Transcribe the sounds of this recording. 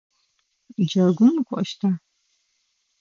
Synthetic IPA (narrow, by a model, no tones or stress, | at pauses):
d͡ʒaɡʷʊmkʷʼɐʃtʰaː